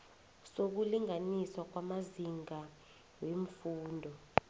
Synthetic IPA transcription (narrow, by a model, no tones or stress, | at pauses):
sok̬uliŋaniswak̬wamaziŋa | weɱfuːndʱɔ